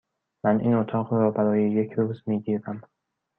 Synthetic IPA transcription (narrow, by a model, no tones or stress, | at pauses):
mænʔḭːnot̪ʰɒːɣɾɒːbæɾɒːjeje̞cʰɾuːzmiːɟiːɾæm